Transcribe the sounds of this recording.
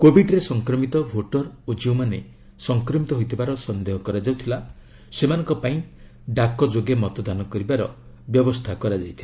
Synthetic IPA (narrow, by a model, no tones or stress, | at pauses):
kobʱiɖɾesɔŋkɾɔmit̪ɔbʱoʈɔɾod͡ʒiwmane | sɔŋkɾɔmit̪ɔɦojt̪ʰibaɾɔsɔnd̪eɦɔkɔɾad͡ʒawt̪ʰila | semanɔ̃ŋkɔpaĩ | ɖakɔd͡ʒoɡemɔt̪ɔd̪anɔkɔɾibaɾɔ | bjɔbɔst̪ʰakɔɾad͡ʒajt̪ʰila